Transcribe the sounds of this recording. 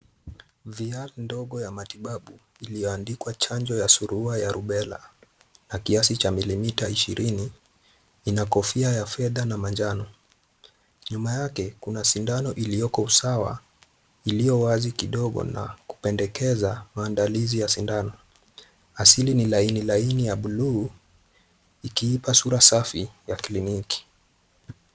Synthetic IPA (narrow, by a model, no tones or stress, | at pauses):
vialndɔɠɔjamatiɓaɓu | ilijɔandikwat͡ʃand͡ʒɔjasuɾuajaɾuɓɛla̰ | nakiasit͡ʃamilimitaiʃiɾʔiniː | nakɔfiajafɛðanamand͡ʒanɔ | ɲumajakɛkunasindanɔʔilijɔkɔusawa̰ | ilijɔwazikiɗɔɠɔ̰na̰ku̥pɛndɛkɛzamaːndalizijasindanɔ | asilinilainilainijaɓuluː | ikiipasuɾasafijakliniki̥